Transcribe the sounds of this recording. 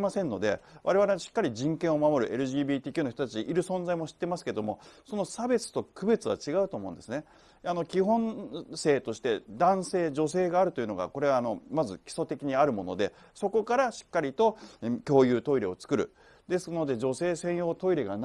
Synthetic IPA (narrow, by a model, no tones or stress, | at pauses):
masẽ̞nːo̞d̪e̞̰βaɾe̞βaɾeɕi̥kːaɾʲiʑĩŋkẽɰ̃o̞mamo̞ɾɯ̟ʔe̞ɾɯ̟ʑiːbʲiːt̪ʲiːkʲjɨ̟noçi̥t̪ot̪ḁt͡ɕiʔiɾɯ̟sõ̞ñd͡zaimo̞ɕi̥t̪ːe̞masɨ̥ke̞ed̪o̞̰mo̞so̞no̞sabe̞t͡sɨ̥t̪o̞kɯ̟be̞t͡sɨβa̰t͡ɕiɡaɯ̟t̪o̞ːmõ̞̟d̪e̞sɨne | ano̞kʲiɦõ̞ñse̞ːt̪o̞ɕi̥t̪e̞d̪ãɰ̃se̞ːd͡ʑo̞se̞ːɡaːɾɯ̟t̪o̞jɯ̟no̞ɡa̰ko̞ɾe̞aːno̞mazɨkʲi̥so̞t̪e̞kʲiɲ̟iaɾɯ̟mo̞no̞̰d̪e̞ | so̞ko̞kaɾaɕi̥kːaɾʲit̪o̞kʲo̞ːjɯ̟ːt̪o̞iɾe̞o̞t͡sɨ̥kɯ̟ɾɯ̟̰ | d̪e̞sɨno̞d̪e̞d͡ʑo̞se̞ːsẽ̞ɰ̃jo̞ːt̪o̞iɾe̞ɡan